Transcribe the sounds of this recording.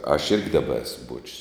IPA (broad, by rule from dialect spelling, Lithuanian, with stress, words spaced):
ɐʃ ˈɪrʲɡʲɪ ˈdɑːbɐ ˈæːsʊ ˈbuɔt͡ʃʲʊs